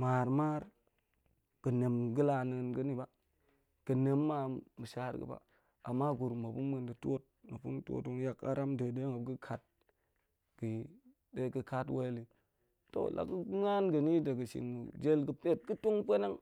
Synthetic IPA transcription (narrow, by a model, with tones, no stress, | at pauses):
ma˨ɾma˦ɾ | ɡ̥ə˨ne˨mɡə˦la˨nə˨nɡə˦ni˦ba˦ | ɡ̥ə˨ne˨mːa˦˨mu˨ʃa˦ɾɡə̰˨ba̰˨ | a˨mːa˦ɡu˨ɾmə˨pu˦mə˨ndə˨to˦t̚nə˨pu˦n˦tʷo̰˦tu˦ŋja˨ka̰˦ɾa˦mdə˨de˦ŋa˨b̚ɡə˦kʰa˨t̚ | ɡ̥ə˨ji˦ | de˦ɡə˦ka˦twe˦li˨ | to̰˨lʔa̰˨kə˦ŋa˦nɡə˨ni˦də˨ɡə˨ʃḭ˨ŋmṵ˨d͡ʒe˦lɡə˨pe˦t̚ɡə˦tu˦ŋpʷe˦ne˦ŋ